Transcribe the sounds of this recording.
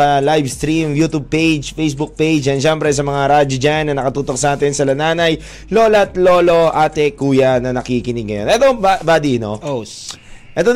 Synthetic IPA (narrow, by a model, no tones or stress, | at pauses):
ɐlajvst̪ɾimjuːt̪ub̚pejd͡ʒfejsbʊk̚pejd͡ʒʔɐnʃɛmpɾɛs̬ɐmɐŋaɾaːd͡ʒod͡ʒanːɐnɐkɐt̪uːt̪o̞k̚sɐʔaːt̪ɪnsɐlɐnaːnɐj | lo̞ːlɐt̪lo̞ːlo̞ʔaːt̪ɛkuːjɐnɐnɐkikɪnɪɡ̚ŋɐjonʔɛt̪obabaːd̪ino̰ | ʔɛt̪o